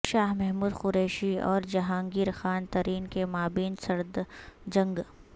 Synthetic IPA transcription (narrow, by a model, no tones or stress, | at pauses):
ʃaːɦmɛɦmuːd̪xʊɾɛːʃiɔːɾd͡ʒɐɦãːŋɡiːɾxaːnt̪ɐɾiːnkemaːbiːnsɐɾd̪d͡ʒɐ̃ŋɡ